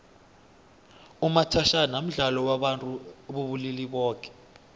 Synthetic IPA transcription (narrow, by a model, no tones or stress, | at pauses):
umatʰaʃanam̩ɮalɔwaɓantʼuɓuβuliliɓɔːk̬ʰʼɛ̥